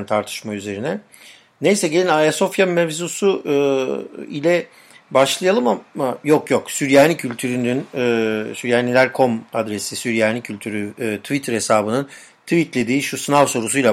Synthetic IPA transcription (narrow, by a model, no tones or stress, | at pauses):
nt̪ʰaɾt̪ʰɯ̥ʃmayze̞ɾinɛ | nejsɛɟelʲinajaso̞fjamɛvzusuː | ilʲɛ | baʃlˠajalˠɯmamajo̞kjoksyɾjaːnʲicʰylʲt̪ʰyɾynynːsyɾjaːnilʲæɾkʰo̞mad̪ɾe̞sisyɾjaːnʲicʰylʲt̪ʰyɾyt̪ʰvit̪ʰɯɾesaːbɯnɯn | t̪ʰvit̪lʲe̞d̪iːʃusɯnavso̞ɾusujlˠa